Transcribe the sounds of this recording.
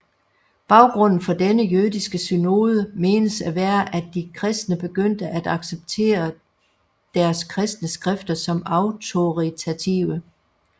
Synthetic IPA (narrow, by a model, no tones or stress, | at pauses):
b̥ɑ̈ʊɡ̥ʁɔ̽n̰n̩fɒ̽d̥enəjøðˠisɡ̥əsyno̝ːð̞ˠəme̝ːnəsæʋæːɐʔæd̥ːikʰʁɛsd̥nəb̥e̝ɡ̥øn̰d̥əʔæd̥ɑ̈ɡ̥seb̥̚t͡sʰe̝̰ːɐ | d̥æɐskʰʁɛsd̥nəsɡ̥ʁɛfd̥ɐsɒ̽mɑ̈ʊt͡sʰo̝ʁit͡sʰæt͡sʰiʊə